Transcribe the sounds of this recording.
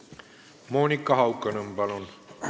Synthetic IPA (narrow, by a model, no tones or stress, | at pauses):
moːnikːɑhɑwkːɑnəmbɑlon